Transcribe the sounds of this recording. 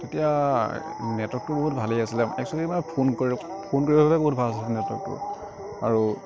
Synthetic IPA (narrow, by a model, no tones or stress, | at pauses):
tetija | nɛtɔk̚tʊboɦutbʱaliasilɛmɛ̰ksɔkiimaɛpʰonkoɹi | pʰonkoɹibʱababɛboɦut̚bʱalasilnɛtɔ̰k̚tʊ̰ | aɹu